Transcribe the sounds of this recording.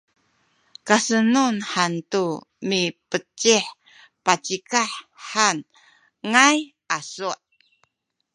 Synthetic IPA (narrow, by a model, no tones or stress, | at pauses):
kasənunħantumipət͡ʃiħ | pat͡ʃikaħːan | ŋaj | asuʔ